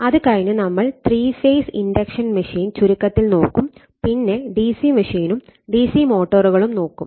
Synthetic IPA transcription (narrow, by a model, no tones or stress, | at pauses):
ɐðɨkɐɻnɨnɐmːɐɭt̪riːfeːsḭndɐkʂɐnmɐʂiːnt͡ɕuɾukːɐt̪ːilno̞ːkːum | pinːe̞ɖiːsimɐʂiːnumɖiːsimo̞ːʈːɐruɣɐɭumno̞ːkːum